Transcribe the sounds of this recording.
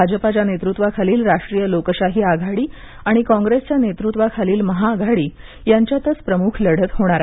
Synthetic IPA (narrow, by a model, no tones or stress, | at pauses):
ad͡ʑəpat͡ɕjanet̪ɾut̪ʋakʰaliːlɾaʂʈɾijəlokəɕaɦiːaɡʱaɽiː | aɽ̃ikɔ̃ŋɡɾest͡ɕjanet̪ɾut̪ʋakʰaliːlməɦaːɡʱaɽiː | jaɲt͡ɕjat̪ət͡spɾəmuːkʰləɽ̤ət̪ɦoɽ̃aɾa